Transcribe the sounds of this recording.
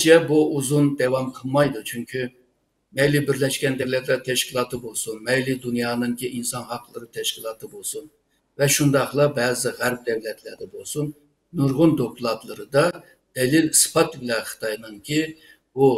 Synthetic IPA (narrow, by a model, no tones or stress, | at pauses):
d͡ʒʰɛbuuzund̪ɛwɑmqʰəlˠmɑjd̪ut͡ʃʰyŋkʲʰy | mɛjlɪbiɾlɛʃkʲɛnd̪ɛɾlɪklɛt̪ʰɛʃkʲilˠɑːt̪ʰɨbolˠsunmɛjlɪd̪unjɑːnɨŋkʲʰiʔinsɑnhɑqlˠɨɾɨt̪ʰɛʃkʲilˠɑːt̪ʰɨbolˠsun | vɛʃund̪ɑχlˠɑbɛːzɨʁæɾp̚d̪ɛwlɛt̪ʰlæɾd̪ɛbolˠsun | nuɾʁʊnd̪okʰʲulˠɑt̪lˠɨɾɨd̪ɑ | d̪̥ɛlilsɨ̥pʰɑt̪bɪlɛnχɨ̥t̪ʰɑjnɨŋkʲʰi | b̥u